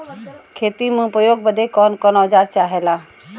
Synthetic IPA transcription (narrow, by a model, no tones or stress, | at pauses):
kʰeːt̪imũpəjoːɡ̚bəd̪ekɔːnkɔnɔːd͡ʒaːɾt͡ʃaːɦeːlaː